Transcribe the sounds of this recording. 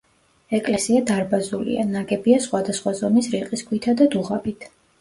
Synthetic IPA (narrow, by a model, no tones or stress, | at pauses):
ɛkʼlɛsiad̪aɾbazulḭa̰naɡɛbiasχwad̪asχwazɔmisɾiqʼisɡʰwit̪ʰad̪ad̪uʁabit̪ʰ